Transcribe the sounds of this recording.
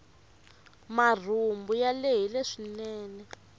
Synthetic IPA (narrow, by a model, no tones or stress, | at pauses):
mar̤umbujaleɦileʂinɛːnɛ